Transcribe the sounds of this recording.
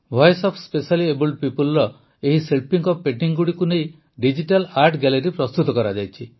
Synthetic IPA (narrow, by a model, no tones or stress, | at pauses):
bʱɔjsɔpʰspesaliebulʈ̚pipulɾɔ | eɦiselpiŋkɔpeʈiŋɡuɽikunej | ɖid͡ʒiʈalaɾʈɡɛleɾipɾɔst̪ut̪ɔkɔɾad͡ʒajt͡ʃʰi